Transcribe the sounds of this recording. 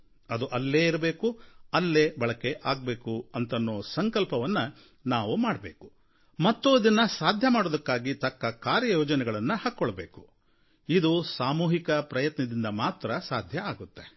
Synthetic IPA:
ɐd̪uʔɐlːeːiɾɐbe̞ːkuɐlːeːbɐɭɐkeʔaːɡ̚be̞ːkuɐnt̪ɐnːoːsɐŋkɐlpɐʋɐnːɐ | naːʋumaːɽɐbe̞ːku̥ | mɐt̪ːoːd̪inːɐsaːd̪ʱjɐmaːɽod̪ɐkːaːɡit̪ɐkːɐkaːɾjɐjoːd͡ʒɐnɛɡɐɭɐnːuhɐkːɔɭɐbe̞ːku̥ | id̪usaːmuːɦikɐpɾɐjɐt̪nɐd̪ind̪ɐmaːt̪ɾɐsaːd̪ʱjɐaːɡut̪ːe̞

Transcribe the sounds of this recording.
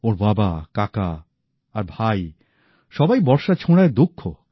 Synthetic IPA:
oɾbabakaka | aɾbʱaj | ʃɔbajbɔɾʃat͡ɕʰoɽ̃aed̪ukʰːo

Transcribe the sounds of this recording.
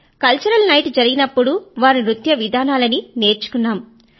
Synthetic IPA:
kɐlt͡ʃɐɾɐlnɐjʈd͡ʒɐɾiɡinɐpːuɽuʋaːɾiɾut̪jɐʋid̪ʱaːnaːlɐnine̞ːɾt͡ʃu̥kunːaːm

